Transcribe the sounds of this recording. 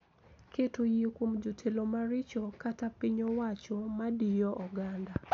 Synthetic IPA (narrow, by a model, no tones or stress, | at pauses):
ketujikwomd͡ʒotʰelomaɾɪt͡ʃɔkatapiɲowat͡ʃɔmadijɔʔɔɡanda